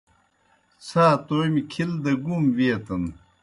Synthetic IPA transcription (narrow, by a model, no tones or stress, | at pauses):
t͡sʰaːt̪oːjmikʰild̪ɐɡumviɐt̪ɐn